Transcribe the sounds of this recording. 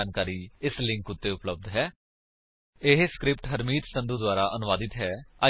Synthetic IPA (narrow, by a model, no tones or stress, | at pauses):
aːnkaːɾiːɪslɪ̃ŋkʊt̪ːeːʊpləb̚d̪ɦɛː | ɪɦskɾɪpʈɦəɾmiːt̪sə̃nd̪uːd̪waːɾaːʔənʊʋaːd̪ɪt̪ɦɛːaː